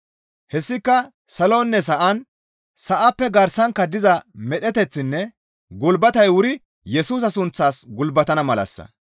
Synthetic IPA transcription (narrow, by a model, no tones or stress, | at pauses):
hɛsːɪkːɐ | sɐlonːɛs̬ɐʔɐn | sɐʔɐpːɛɡɐɾsɐŋkːɐd̪ɪzɐmɛɗɛt̪ɛt͡sːɪnːɛ | ɡʊlbɐt̪ɐjwʊɾɪ | jɛsuːs̬ɐsʊnt͡sːaːsɡʊlbɐt̪ɐnɐmɐlɐ̰sːɐ̰